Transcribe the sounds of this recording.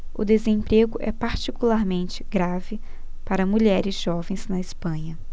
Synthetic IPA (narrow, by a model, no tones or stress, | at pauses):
ʊd̪ezẽpɾeɡʊʔɛpaɾt͡ʃikulaɾmẽnt͡ʃɪ̥ɡɾavɪ | paɾɐmuʎɛɾɪzʒɔvẽj̃z̥nɐɪspɐ̃ɲɐ